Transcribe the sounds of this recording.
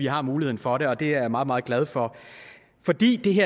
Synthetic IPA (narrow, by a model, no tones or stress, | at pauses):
iɦɑ̈muːlihe̝ðˠn̩fɒ̽ɾe̝ɒ̽d̥e̝æɐmɑ̈ːð̩ˠmɑ̈ːðˠɡ̥lɛð̞ˠfɒ̽ | fɒ̽d̥ḭːd̥e̝ɦeɐ